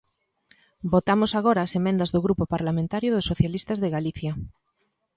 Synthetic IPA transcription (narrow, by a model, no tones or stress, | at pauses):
bot̪amosaɣoɾaːsemẽnd̪azðoɣɾupopaɾlamẽnt̪aɾjoðosːoθjalist̪azðeɣaliθja